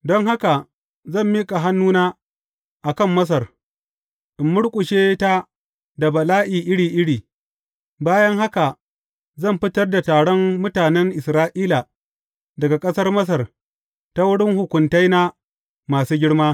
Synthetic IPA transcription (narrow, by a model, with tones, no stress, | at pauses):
dɔ˦ŋɦa˦ka˨ | zɐ˦˨mːiː˦kʼa˨ɦa˦nːuː˦naː˦ | ʔa˨kɐ˦˨mːɐ˦s̬ɐ˨r | ʔɪ˨mːʊ˦ɽkʷʼʊ˨ʃeː˦ta˦ | da˨bɐ˨laː˦ʔiː˨ʔɪ˦ɽiː˨ʔɪ˦ɽiː˨ | baː˦jɐ˦ŋɦa˦ka˨ | zɐ˦˨mɸɪ˦tɐ˦rda˨taː˨ɽɔ˦mːʊ˦taː˨nɛ˦ŋʔɪ˨sɾaː˦ʔiː˦la˨ | dɐ˨ɡa˨kʼɐ˦sɐ˦rmɐ˦s̬ɐ˨r | ta˦wʊ˦ɽɪ˦ŋhʊ˨kʷʊ˨nta˦jna˦ | maː˨suː˦ɡʲɪ˦ɽmaː˦